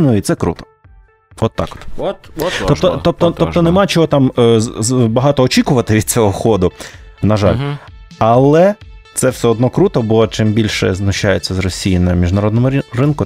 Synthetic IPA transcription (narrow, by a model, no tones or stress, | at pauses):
nʊit̪sɛkɾṵt̪ɔ̥ | ɔt̪ːɑ̰kɔ̥t̪ | t̪ɔt̪ɔt̪ɔp̚t̪ɔt̪ɔp̚t̪ɔnemɑt͡ʃɔɦɔt̪ɑm | bɐɦɑt̪ɔːt͡ʃikʊʋɐt̪ɪʋʲid̪̚t͡sʲɔɦɔxɔd̪ʊ | nɐʒɑ̰lʲ | ɐlˠɛ | t̪sɛwsɛɔd̪nɔkɾut̪ɔbɔt͡ʃɪmbʲilʲʃɛ̰znʊʃːajet͡sʲːɐzrɔsʲijinɐmʲiʒnɐɾɔd̪nɔmʊrɪnkʊ